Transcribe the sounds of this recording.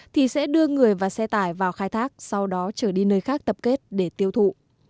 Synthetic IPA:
t̪ʰi˨˩sɛ̰˧˥ɗɨ˧əŋɨ˨˩əjvaː˨˩sɛ˧t̪aː˧˩jvaː˨˩wxaː˧jt̪ʰaː˦˥k̚sa˧wɗɔ˨˦t͡ɕəː˧˩ɗi˧nəː˧jxaː˦˥k̚t̪ə˨˩p̚ke˦˥t̚ɗe˧˩t̪i˧əwt̪ʰṵ˧˨

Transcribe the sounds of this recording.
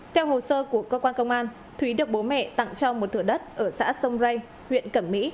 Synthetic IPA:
t̪ʰɛ˧wɦo˨˩səː˧ku˧˩əkəː˧kwaː˧nkə˧wŋ͡mʔaː˧n | t̪ʰwi˨˦ɗɨ˨˩ək̚ɓo˨˦mɛ̰˧˨t̪a̰˧˨ŋt͡ɕɔ˧mo˨˩t̚t̪ʰɨ˧˩ɗə˦˥t̚ʔəː˧˩sa̰ː˧˥sə˧wŋ͡mza˧j | hwḭ˧˨ənkə˧˩mːḭ˧˥

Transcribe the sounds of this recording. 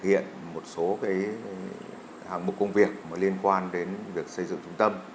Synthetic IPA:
hḭ˧˨ənmo˨˩t̚so˨˦kaː˨˦j | ha̰ː˧˩ŋɓu˨˩kːə˧wŋ͡mvi˨˩ək̚məː˨˦li˧ənkwaː˧nɗe˨˦nvi˨˩ək̚sə˧jzɨ̰˧˨ŋt͡ɕʊ˨˦ŋ͡mt̪ə˧m

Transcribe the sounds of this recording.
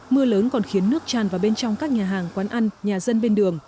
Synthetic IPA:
mɨ˧ələː˨˦nkɔ˨˩nxi˨˦ənːɨ˦˥ək̚t͡ɕaː˨˩nvaː˨˩wɓe˧nt͡ɕɔ˧wŋ͡mkaː˦˥k̚ɲaː˨˩ɦaː˨˩ŋkwaː˨˦nʔa˧ŋɲaː˨˩zə˧nɓe˧nɗɨ˨˩əŋ

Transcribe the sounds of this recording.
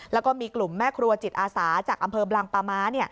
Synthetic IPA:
lɛː˦˥wkɔː˥˩miː˧klu˨˩mːɛː˥˩kʰɾu˧ɐt͡ɕi˨˩t̪̚ʔaː˧saː˩˦t͡ɕaː˨˩k̚ʔa˧mpʰɤː˧blaː˧ŋpaː˧maː˦˥ni˥˩ɐ

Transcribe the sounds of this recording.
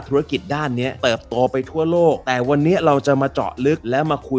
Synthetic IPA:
t̪ʰu˦˥a˧ki˨˩t̪̚daː˥˩nːi˦˥ɐt̪ɤː˨˩p̚t̪oː˧pa˧jt̪ʰu˥˩ɐloː˥˩k̚t̪ɛː˨˩wa˧nːiː˦˥ɐɾa˧wt͡ɕa˨˩maː˧t͡ɕɔ̰˨˩ʔlɯ˦˥k̚lɛː˦˥wmaː˧kʰu˧

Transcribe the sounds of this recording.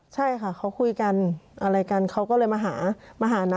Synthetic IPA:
t͡ɕʰa˥˩jkʰa˥˩kʰa˦˥wkʰu˧jka˧nʔa˧ɾa˧jka˧nkʰa˦˥wkɔː˥˩lɤː˧jmaː˧ɦaː˩˦maː˧ɦaː˨˩˦na˦˧˥

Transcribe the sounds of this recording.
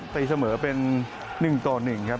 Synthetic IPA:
t̪i˧˩sa˧mɤː˩˦pe˧nː | ɯ˨˩ŋt̪ɔː˨˩nɯ˨˩ŋkʰɾa˦˥p

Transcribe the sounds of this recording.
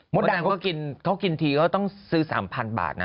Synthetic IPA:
mo˦˥˦t̚d̚aː˧˩ŋkːkɔ˥˩ki˧nkʰa˦˥wki˧nt̪ʰiː˧kɔː˥˩t̪ɔ˥˩ŋsɯː˦˥sa̰ː˩˦mpʰa˧nba̰ː˨˩t̪̚na̰˦˥

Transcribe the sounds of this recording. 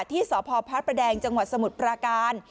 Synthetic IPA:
t̪ʰiː˥˩sɔː˩˦pʰɔː˧pʰa˦˥t̪̚pɾa˧dɛː˧ŋt͡ɕa˧ŋwa˨˩t̪̚sa˧mu˨˩t̪̚pɾaː˧kaː˧n

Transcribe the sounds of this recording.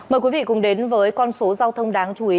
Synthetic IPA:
məː˨˩jkwi˨˦vḭ˧˨kʊ˨˩ŋ͡mɗe˨˦nvəː˨˦jkɔ˧nso˨˦zaː˧wt̪ʰə˧wŋ͡mɗaː˨˦ŋt͡ɕu˧˩ʔi˨˦

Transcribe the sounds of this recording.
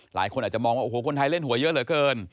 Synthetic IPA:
la̰ː˩˦jkʰo˧ʔaː˨˩t͡ɕa˨mɔː˧ŋwa˥˩ʔo˨˩oː˩˦kʰo˧nt̪ʰa˧jle˥˩nhu˩˦ɐjɤ˦˥lɤː˩˦kɤː˧n

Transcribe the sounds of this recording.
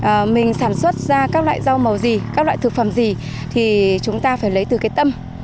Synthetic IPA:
ʔmï˨˩ŋ̟saː˧˩nswə˦˥t̚zaː˧kaː˦˥k̚lwa̰ː˧˨jza˧wmə˨˩wzi˨˩kaː˦˥lwa̰ː˧˨jt̪ʰɨ˨˩k̚fə˧˩mzi˨˩ | t̪ʰi˨˩t͡ɕʊ˨˦ŋ͡mt̪aː˧faː˧˩jlə˨˦jt̪ɨ˨˩kaː˨˦jt̪ə˧m

